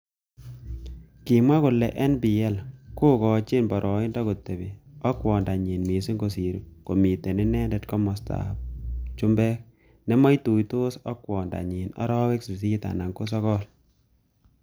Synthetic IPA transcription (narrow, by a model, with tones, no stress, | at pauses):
ki˨mwa˦kʊ˨lɛ˨ʔɛ˦nbi˨ɛ˦lko˦kɔː˨t͡ʃɪ˦nbɔ˨ɾʔɔ˨ɪ˦ndɔ˦ko˨tːe˨bi˨ɔ˦kwɔː˨nda˨ɲi˨nmi˨si˦ŋɡo˨si˨ɾu˨ko˨mi˨te˨ni˦nɛ˦ndɛ˨tkɔ˦mɔ˨sta̰˨p̚t͡ʃʊ˦mbɛ˦k̚ | nɛ˦mɔ˦jtu˨jto˦sɔ˦kwɔː˨nda̰˨ɲi˨nɔ̰˦ɾɔː˦we˦ksi˨s̬i˦ta̰˨na˨ŋko˦s̬ɔ˦kɔ˦l